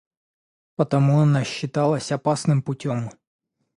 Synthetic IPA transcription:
pət̪ɐmuɐnaɕːɪt̪alˠəsʲɐpasnɨmpʊtʲom

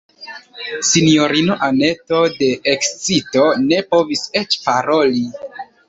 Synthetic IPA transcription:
sinijo̞ɾinoʔane̞to̞de̞ːkst͡sito̞ne̞po̞vise̞t͡ʃpaɾo̞li

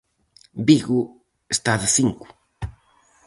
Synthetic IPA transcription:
biɣu | est̪aðɪsiŋkʊ̥

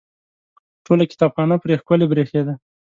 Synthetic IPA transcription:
ʈʰolakɪ̥t̪ɑbxɑnapɾexkwəlebɾexed̪a

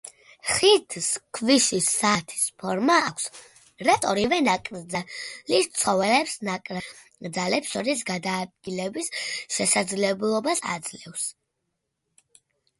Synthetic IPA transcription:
χit̪ʰskʰviʃisːaːt̪ʰi̥spʰɔɾmaːkʷʰs | ɾat̪ʼɔɾivɛnakʼɾd̪zalist̪sʰɔvɛlɛpsnakʼɾɛ | d̪zalɛpsʃɔɾisɡad̪aːd̪̚ɡilɛbisʃɛsad̪zlɛblˠɔbasa̰d̪z̥lɛfs

